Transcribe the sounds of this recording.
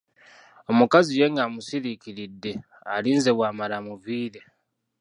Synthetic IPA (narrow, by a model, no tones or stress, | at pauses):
o̞mukazije̞ŋɡamusiɾikiɾidːe̞ | aliːnze̞βwaːmaɾamuviːɾe̞